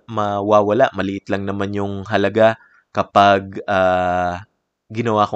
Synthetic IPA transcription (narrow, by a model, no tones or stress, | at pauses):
mɐwaːwɐlaʔmɐlɪʔɪt̪lɐŋnɐmanjʊŋɦɐlɐɡa | kɐpaɡ̚aː | ɡɪnɐwako